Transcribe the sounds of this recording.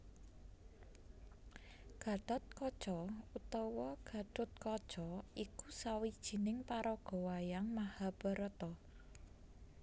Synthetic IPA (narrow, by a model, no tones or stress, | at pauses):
ɡ̥a̤ɖ̥ɔ̤t̪̚kɔd̥ʒ̥ɔut̪ɔwɔɡ̥a̤ɖ̥ɔ̤t̪̚kɔd̥ʒ̥ɔikusawid̥ʒ̥i̤nɪŋpaɾɔɡ̥o̤wajaŋmahab̥əɾət̪ɔ